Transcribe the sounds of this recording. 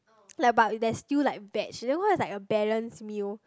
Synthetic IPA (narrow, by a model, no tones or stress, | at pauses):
lak̚badɛstillaɪk̚vɛt͡ʃdõnwɔ̃ɛslaɪkəbɛɹə̃nsmil